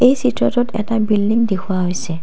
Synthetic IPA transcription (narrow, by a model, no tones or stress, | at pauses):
ejsitɹɔtɔtɛ̰tabildiŋdekʰʊwaɦojsɛ